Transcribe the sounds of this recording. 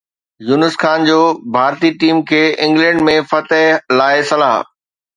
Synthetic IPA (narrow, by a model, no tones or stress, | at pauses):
junəsxaːnd͡ʑoːbʱaːɾt̪iʈiːmkʰeːɪ̃ŋɡlɛ̃ːɳɖmẽfɐt̪əɦlaːesɐlaːɦ